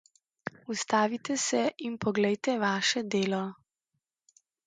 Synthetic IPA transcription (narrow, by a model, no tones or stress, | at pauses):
ust̪aːʋit̪ɛsɛʔinpɔɡlɛjt̪ɛʋaːʃɛd̪eːlɔ